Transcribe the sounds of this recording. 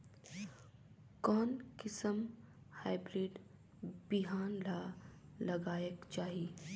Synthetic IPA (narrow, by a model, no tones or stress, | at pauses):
kɔːnkɪsəm | haːɪbɾiːɖ | biɦaːnlalɐɡaːjəkt͡ʃaːɦieː